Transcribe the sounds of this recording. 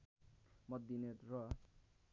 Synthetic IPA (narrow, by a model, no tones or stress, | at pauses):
mʌd̪ːinet̪rʌ